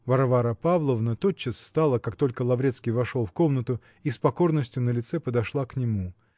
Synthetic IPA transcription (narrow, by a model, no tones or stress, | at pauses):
vɐɾvaɾəpavlˠəvnət̪ot̪̚t͡ɕːəsfst̪alˠəkakt̪o̞lʲkəlˠɐvɾʲet̪skʲijvɐʂo̞lˠfko̞mnət̪ʊ | ispɐko̞rnəsʲtʲjʊnəlʲɪt̪sɛpəd̪ɐʂlˠaknʲɪmu